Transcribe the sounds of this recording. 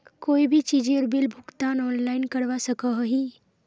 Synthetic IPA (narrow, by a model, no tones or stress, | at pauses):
koːibʱit͡ʃiːd͡ʒeɾbilbʱʊkt̪aːnɔːnlaɪnkəɽʋasəkəɦəɦiː